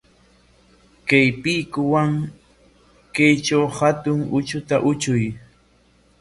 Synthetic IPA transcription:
kajpɪkʊwaŋ | kajt͡ʃawhat̪ʊŋʊt͡ʃʊt̪aʔʊt͡ʃʊj

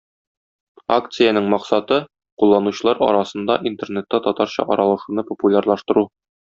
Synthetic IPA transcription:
akt̪sɨjanɘɴmɒqsɑt̪ɤ | qulˠːɑnuɕɤ̆lˠɑɾɒ̰ɾɑsɤ̆nd̪ɑʔint̪e̞rnet̪ːæt̪ɒt̪ɑɾɕɑ̰ʔɒɾɑlˠɤ̆ʃunɤpŏpulʲarlˠɑʃt̪ɤ̆ɾu

